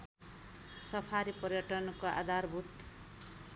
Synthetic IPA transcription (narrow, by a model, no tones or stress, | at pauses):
sʌpʰaɾipʌrjʌʈʌnkoʔa̰d̪ʱarbʱut̪